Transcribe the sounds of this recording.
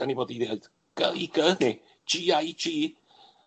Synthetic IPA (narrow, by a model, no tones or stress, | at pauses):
aniboːdiðed̥ | ɡ̥əiɡəðni̥ | d͡ʒiajd͡ʒiː